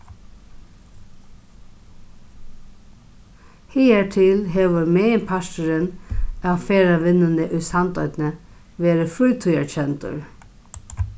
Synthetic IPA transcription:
hiːæʈʰɪlɦeːʋəɹmeːɪnpʰɑʃtʊɹənɑːʋfeːɹaʋɪnʊnəʔʉːsɑnt̪œ̰ʏd̪nə | ʋeːɾəfɹyːt̪ʰuæ̰çɛnt̪ʊ̰ɹ

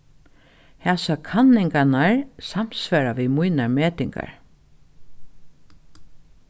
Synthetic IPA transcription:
hɛsakʰanːɪŋkanaɹsam̥svɛːɾaʋimujnaɹmeːt̪ɪŋka̰ɹ

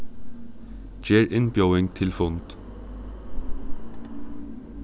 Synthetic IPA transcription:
d͡ʒeːɹʔɪnbjoʊɪŋt̪ʰɪlfʊnd̪̥

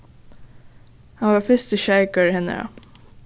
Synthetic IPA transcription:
hɑnʋɑːfɪst̪əʃæɪkəɹhɛnə̰ɑ̰

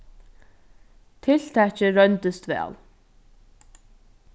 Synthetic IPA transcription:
t̪ʰɪl̥t̪ʰɛːt͡ʃɪɾœnt̪əst̪ʋɛ̰ːl

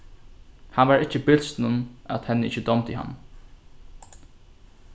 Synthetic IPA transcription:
hanʋaːɹɪt͡ʃːəbɪlsnʊnat̪hɛnːɪɪt͡ʃːəd̪ɔmt̪ḭɦa̰nː

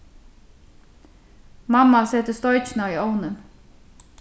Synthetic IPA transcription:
mamːasɛːt̪əst̪ɔʏt͡ʃnaiɔwnən

